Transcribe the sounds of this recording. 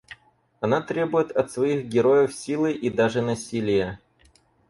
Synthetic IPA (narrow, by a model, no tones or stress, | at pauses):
ɐnat̪ɾʲe̞bʊjɪt̪ɐt̪svɐixɡʲɪɾo̞jəfsʲilˠɨʔid̪aʐɨnɐsʲilʲɪjə